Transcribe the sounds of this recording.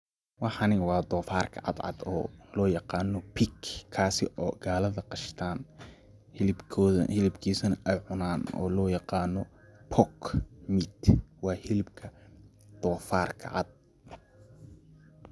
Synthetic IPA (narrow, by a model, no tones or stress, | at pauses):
wɑħɑnɪwɑːd̪ɔːfaːrkʰɐ̰ʕɑ̰d̪ʕɑ̰d̪ɔ̰ːlɔːjɑqɑːnɔpʰɪkʰːaːsɪʔɔːɡaːlɐðɐqɑʃt̪ʰaːn | hɪlbʰɔhɪlɪbkʰiːsɐnɐʔɛjʕʊnaːnɔ̰ːlɔːjɑqɑːnɔpʰɔkmɪd̪wɑːhɪlɪbkʰɐ | d̪̥ɔːfaːrkʰɐ̰ʕɑ̰d̪̚